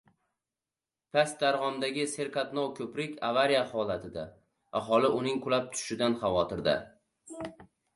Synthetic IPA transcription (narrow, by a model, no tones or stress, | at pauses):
pʰasd̪aɾʁɒmd̪aɡʲɪse̞ɾkʰat̪nɒwkʲʰɵpɾɪkʲʰavaɾijahɒlˠat̪ʰɪd̪a | ʔaɦɒlˠɪʔʊnɪŋkʰʊlap̚t̪ʰʊ̥ʃɪd̪anχavɒt̪ʰɪɾd̪a̰